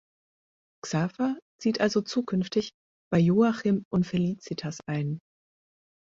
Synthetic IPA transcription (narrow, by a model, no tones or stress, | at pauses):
ksaːfat͡siːtʔalzot͡suːkʰʏnftɪç | b̥aɪjoːaχiːmʔʊntfeliːt͡sitʰasʔaɪn